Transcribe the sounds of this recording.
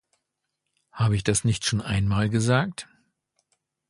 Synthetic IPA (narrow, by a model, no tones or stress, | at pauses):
haːbəɪç̬d̥asnɪçtʃoːnʔa̰ɪnmaːlɡəzaːk̚t